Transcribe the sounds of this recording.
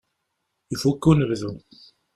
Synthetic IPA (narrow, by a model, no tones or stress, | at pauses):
ifukːunəvðun